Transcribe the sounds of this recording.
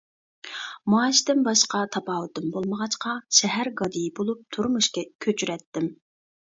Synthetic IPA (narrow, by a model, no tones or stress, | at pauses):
mɑːʃd̪ɪnbɑʃqɑt̪ʰɑpɑːwut̪ɨmbolˠməʁɑt͡ʃqʰɑʃɛɦæɾɡɑd̪ijibolˠup̚t̪ʰuɾmuʃkʲɛkʲʰøt͡ʃʰyɾɛt̪ːɪm